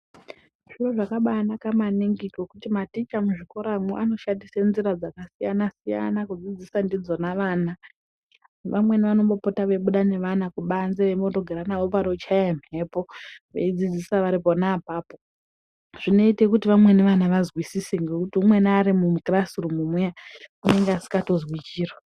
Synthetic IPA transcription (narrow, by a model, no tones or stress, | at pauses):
ʐ̥iroʐakaɓaːnakamaniŋɡikokutimatit͡ʃamuʐiko̞ɾamoʔano̞ʃandisenziɾad͡zakasijanasija̰nakud͡zid͡zisandid͡zo̞naʋaːna | ʋamwe̞niʋano̞mbo̞po̞taʋe̞ɓuɗane̞ʋanakuɓanzeʋemboto̞ɡʱeɾanaʋop̬aɾo̞t͡ʃaem̤e̞po̞ʋḛid͡zid͡zisaʋaɾipo̞naːpaːpo | ʐ̥ino̞itekutiʋamwe̞neʋanaʋazwisiseŋɡe̞kutiumwe̞naːɾimumukrasurumumujakune̞ŋɡeasi̥kato̞zwit͡ʃiːro